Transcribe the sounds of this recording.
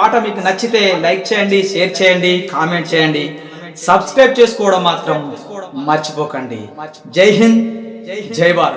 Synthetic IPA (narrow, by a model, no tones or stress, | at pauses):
aːʈɐmiːkunɐt͡ʃːit̪e̞ːlɐjk̚t͡ʃɛːjɐɳɖiʃeːɾt͡ʃɛːjɐɳɖikaːmeɳʈ̚t͡ʃɛːjɐɳɖi | sɐbskɾɐj̚t͡ʃeːsu̥kɔːɽɐmːaːt̪ɾɐmːɐɾt͡ʃi̥pɔːkɐɳɖḭ | d͡ʒɐjɦin | d͡ʒɐjbaːɾ